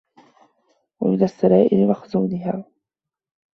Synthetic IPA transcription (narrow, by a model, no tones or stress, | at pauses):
wamɪnasːaɾaːʔɪlmaxʊzuːnɪɦaː